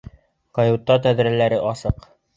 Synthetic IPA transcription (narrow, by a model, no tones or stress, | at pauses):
qɑjut̪ːɑt̪æðɾælæɾɘʔɑsɤq